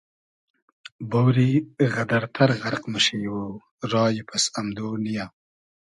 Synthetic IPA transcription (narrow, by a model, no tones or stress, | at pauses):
bowɾiɣɐd̪ɐɾt̪ʰɐɾɣɐɾqmuʃejwo | ɾɑːjipʰɐsamd̪oːnija